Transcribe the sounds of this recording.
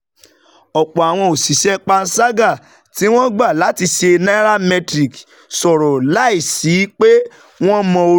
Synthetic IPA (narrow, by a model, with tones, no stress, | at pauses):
ɔ˨k͡pɔ˨a˨w̃ɔ̃˧o˨si˨ʃɛ˦k͡pa˧n̩˦sa˦ɡa˦˨ | ti˨˦w̃ɔ̃˦ɡ͡ba˦˨la˨˦ti˧ʃe˧nã˦ɾa˦mɛ̃˧tɾi˨k | sɔ˨ɾɔ˨la˦i˦˨si˨˦k͡pe˦ | w̃ɔ̃˦mɔ̃˧o˧